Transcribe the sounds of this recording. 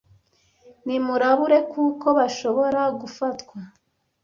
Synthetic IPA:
nimuɾaβuɾe̞kuːko̞βaʃo̞βo̞ɾaɡufatkwa

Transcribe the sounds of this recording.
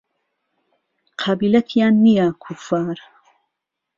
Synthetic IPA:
qʰɑːbiːlɐt̪ʰijaːnːijakʰʊfaːɾ

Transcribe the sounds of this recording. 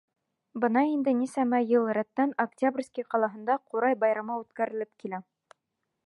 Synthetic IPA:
bɤ̆nɑind̪ɘnisæmæjɤlˠɾæt̪ːænɐktʲabrʲsʲkʲiqɑlˠɑɦɤ̆nd̪ɑquɾɑjbɑjɾɑmɑʉt̪kæɾɘ̆lɘp̚kilæ

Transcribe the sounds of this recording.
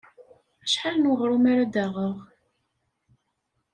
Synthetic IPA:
æʃħalnwʁɾumaɾad̪æʁəʁ

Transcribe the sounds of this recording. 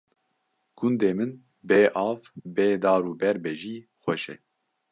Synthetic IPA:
ɡ̥ʊnd̪eːmɨn | beːʔɑːvbeːd̪ɑːɾuːbɛɾbɛʒiːxʷɛʃɛ̰

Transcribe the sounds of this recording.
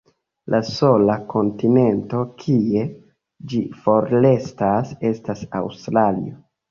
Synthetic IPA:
lʔaso̞lako̞ntine̞nto̞kʰie̞ | d͡ʒifo̞ɾle̞stase̞stasa̰wstɾalḭo

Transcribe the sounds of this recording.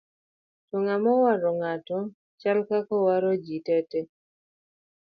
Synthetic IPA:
tɔŋamɔwaɾɔŋatɔ | t͡ʃalkakɔwaɾɔd͡ʒitɛtɛ

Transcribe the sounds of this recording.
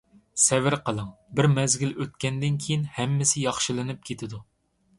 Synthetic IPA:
sɛvɪɾqʰəlˠəŋbɪɾmɛzɡʲiløt̪kʲʰɛnd̪ɪnkʲʰijinhɛmːɪsɪjɑχʃɨlˠɨnɨp̚kʲʰet̪ʰɪd̪u

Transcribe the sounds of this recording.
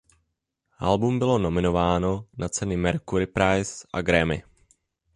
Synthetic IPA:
ʔa̰lbumbɪlo̞no̞mɪno̞vaːno̞nat͡sɛnɪmɛɾkuɾɪpɾajsʔa̰ɡɾɛmɪ̰

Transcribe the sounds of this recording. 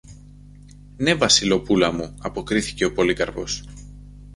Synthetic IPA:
ne̞vɐsilo̞pulɐmuɐpo̞kɾiθi̥ce̞o̞po̞likɐɾpo̞s

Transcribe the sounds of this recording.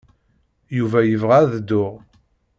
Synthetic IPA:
juvæjəvʁaðəd̪ːʊʁ

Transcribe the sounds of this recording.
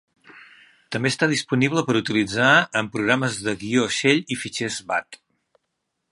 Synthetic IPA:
t̪əmbeːst̪að̞ispuniβləpəɾut̪ilid͡zaəmpɾuɣɾaməzðəɣioʃeʎifit͡ʃɛzβat̪

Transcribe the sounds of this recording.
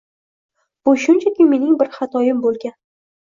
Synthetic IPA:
b̥ʊʃʊnt͡ʃʰakʲʰɪme̞nɪŋbɪɾχat̪ʰɒjɪmbolˠɡʲan

